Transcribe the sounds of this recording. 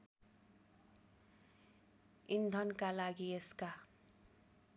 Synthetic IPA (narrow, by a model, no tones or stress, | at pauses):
ind̪ʱʌnkalaɡieska